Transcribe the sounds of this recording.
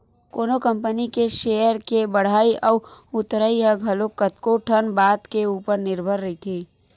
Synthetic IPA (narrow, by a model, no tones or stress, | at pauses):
koːnokə̃mpənikeʃeːjəɾkebəɽ̤aːiʔɔːʊt̪ɾaiɦəɡʱɐlokːət̪koʈʰənbaːt̪keuːpəɾnɪɾbʱəɾːɐɦit̪ʰiː